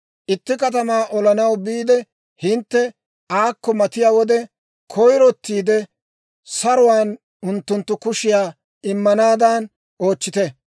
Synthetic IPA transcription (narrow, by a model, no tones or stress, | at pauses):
ʔɪt̪ːɪkɐt̪̬ɐmaːʔɔlɐnɐwbiːd̪ɛ | hɪnt̪ːɛ | aːkːɔmɐt̪ɪjaːwɔd̪ɛ | kʰɔjɾɔt̪ːiːd̪ɛ | sɐɾʊwaːn | ʊnt̪ːʊnt̪ːʊkʊʃɪjaː | ɪmːɐnaːd̪aːn | ʔo̞ːt͡ʃːɪt̪ɛ